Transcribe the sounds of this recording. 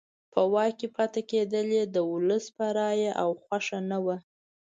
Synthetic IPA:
pʰəwɑkepɑt̪aked̪əled̪əʊləspəɾɑjaʔawxwaʂanawa

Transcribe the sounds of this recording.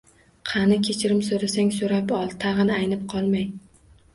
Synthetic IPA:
qʰɑnɪkʲʰet͡ʃʰɪɾɪmsoɾasaŋsoɾapɒlˠt̪ʰɑʁɨnɪajnɪp̚qʰɒlˠmaj

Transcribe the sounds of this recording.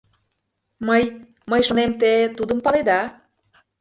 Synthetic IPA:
məj | məjʃonemt̪et̪ud̪əmpɑled̪ɑ

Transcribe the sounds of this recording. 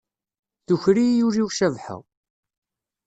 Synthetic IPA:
θuçɾijuɾiwʃævħə̰ʁ

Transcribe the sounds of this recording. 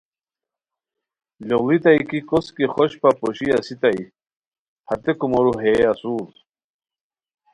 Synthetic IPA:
lowlit̪ajkikoskiχɔɕpapoɕiasit̪ai | hat̪ekumoɾuɦeasuːl

